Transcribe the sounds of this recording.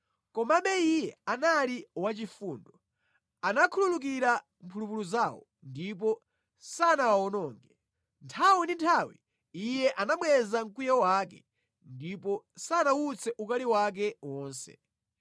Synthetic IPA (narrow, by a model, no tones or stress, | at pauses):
kɔmaɓɛijɛanaliwat͡ʃifuːndɔ | anakʰululuk̬iɾa | mpʰulupuluzawɔ̰ | ndip̬ɔ | sanawaɔnɔːŋɡɛ | ntʰawindintʰawi | ijɛʔanaɓwɛzaŋkujawaːkɛ̰ | ndipɔsanawut͡sʰɛʔukaliwak̬ɛwɔːnsɛ̰